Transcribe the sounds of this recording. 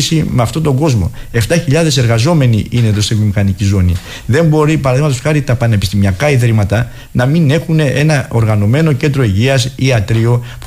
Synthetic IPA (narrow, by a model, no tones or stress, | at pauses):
simeɐft̪o̞t̪o̞ŋɡo̞zmo̞̰e̞ft̪ɐçiʎɐðe̞se̞ɾɣɐzo̞me̞niine̞ðo̞st̪ivomixɐnicizo̞nḭ | ðe̞mbo̞ɾipɐɾɐðiɣmɐt̪osxɐɾit̪ɐpɐne̞pist̪imiɐkɐiðɾimɐt̪ɐ | nɐmine̞xuneʔe̞nɐo̞ɾɣɐno̞me̞no̞ce̞nd̪ɾo̞iʝiɐsiɐt̪ɾio̞p